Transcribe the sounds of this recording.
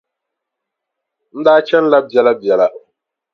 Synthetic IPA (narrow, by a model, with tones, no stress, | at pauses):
n̩˦daː˦t͡ʃɛ˦n̩˦la˦bja˨la˦bja˨la˦